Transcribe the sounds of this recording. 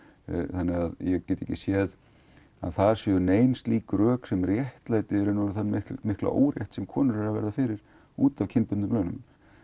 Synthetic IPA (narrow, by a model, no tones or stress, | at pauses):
θanːɪɣaðjɛɣcɛːt̪ɛjcɪsjɛð | a̰ðθaɾ̥sjɛʏneːjnst̪liːkʏɾœːksɛmrjɛht̪laːjt̪ɪɛɾʏnɔːɾʏθanmɪhlmɪhkla̰ʔo̰ːwɾjɛht̪sɛmkʰɔːnʏɾɛɾavɛ̰ɾðafɪɾɪɾ̥ | uːt̪avcʰɪnpʏt̪nʏmplœːnʏmm